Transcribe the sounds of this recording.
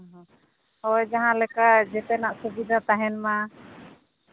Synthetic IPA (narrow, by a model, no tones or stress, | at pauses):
ɦ | ɔjd͡ʒaɦãlɛkaʔd͡ʒɛt̪ɛnaʔsubid̪at̪aɦɛnma